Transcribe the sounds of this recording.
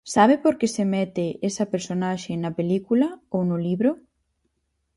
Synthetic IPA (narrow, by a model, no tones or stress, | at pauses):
saβ̞epoɾkesemɛt̪ɪʔesɐpeɾsonaʃenɐpelikulɐownʊliβɾo